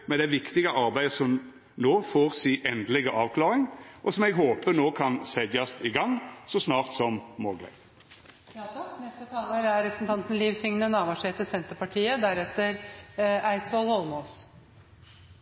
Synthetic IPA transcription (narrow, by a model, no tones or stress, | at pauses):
mɛd̪ɛʋɪkt̪ɪɡəʔɑɾbæɪəsɔm | noːfoːʁsiːʔɛnd̪əlɪɡəʔɑːʋkʰlɑːʁɪŋʔɔsɔmɛɡɦoːpənoːkʰɑnsɛd̪ɑst̪ɪɡɑŋːsɔsnɑːʁt̪sɔmmoːɡlɛ̰ | nɛst̪ət̪ʰɑːləɾæɾɾɛpɾsn̩t̪ʰɑnt̪ən̩liːʋsɪŋnənɑːʋɑʂeːt̪əsɛnt̪əpɑʈʰiːəd̪æɾɛt̪ːəɾæɪt̪sɔlhɔlmos